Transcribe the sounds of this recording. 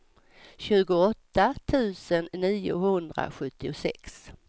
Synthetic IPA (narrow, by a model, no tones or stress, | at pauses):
ɕʉ̟ːɡʊɔt̪ːat̪ʰʉ̟ːsənːiːʊ̰hɵnd̪ɾa̰ɧɵt̪ʰːɪʊsɛ̰ks